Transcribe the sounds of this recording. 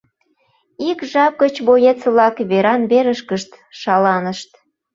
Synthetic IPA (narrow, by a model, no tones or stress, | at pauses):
ikʒɑp̚ɡət͡ɕβojet̪t͡səβlɑkβeɾɑnβeɾəʃkəʃt̪ʃɑlɑnəʃt̪